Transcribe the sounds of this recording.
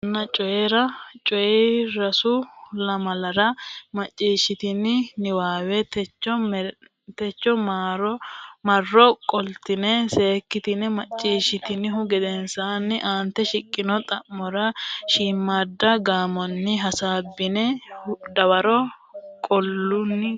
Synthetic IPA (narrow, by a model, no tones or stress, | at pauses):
nːɐt͡ʃʼɔjeɾɐt͡ʃʼɔjɛɾɐsʊlɐmɐlɐɾɐmɐt͡ʃʼːiːʃːɪt̪ɪnɪnɪwaːwɛt̪ɛt͡ʃːɔ | t̪ɛt͡ʃːɔmaɾmɐrːɔkʼɔlt̪ɪnɛse̞ːkːɪt̪ɪnɛmɐt͡ʃʼːiːʃɪt̪ɪnɪhʊɡɛd̪ɛnsaːnːɪʔaːnt̪ːɛʃɪkʼːɪnɔt̪ʼɐʔmːɔɾɐʃiːmːad̪ːɐɡaːmɔnːɪɦɐsaːbːɪnɛd̪ɐwɐɾɔ | kʼɔlːʊnːɪ